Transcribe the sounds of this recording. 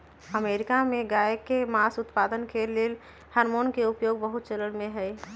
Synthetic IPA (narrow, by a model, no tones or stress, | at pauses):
əmeːɾɪkamẽɡajkːemasʊt̪paːd̪ənkeleːl | həɾmoːnkeʊpjoːɡbəɦʊt̪̚t͡ʃələɽmẽɦɛj